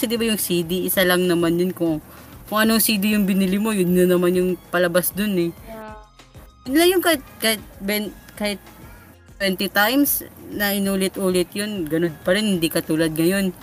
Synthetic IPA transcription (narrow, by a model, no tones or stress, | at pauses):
sɪd̪ɪbɐjʊŋsiːd̪ɪɪsalɐŋnɐmanjʊnkʊŋkʊŋʔɐnoŋsiːd̪ɪjʊŋbɪnɪlɪmo̞jʊnnɐnɐmanjʊŋpɐlɐbasd̪onɛ | jʊnlɐŋjʊŋkaːhɪt̪̚kaːhɪt̪̚bɛnkaːhɪt̪̚ | t̪wɛnt̪ɪt̪ajmsnɐʔɪnuːlɪt̪ʔuːlɪt̪jonɡɐnod̪̚pɐɾɛnhɪnd̪ikɐt̪uːlɐd̪̚ŋɐjo̞n